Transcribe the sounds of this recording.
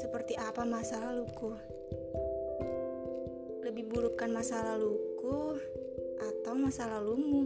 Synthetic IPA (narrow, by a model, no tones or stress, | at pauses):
səpərt̪iʔapamasalahlukuh | ləbihbuɾukanmasalalukuh | ʔat̪awmasalalumu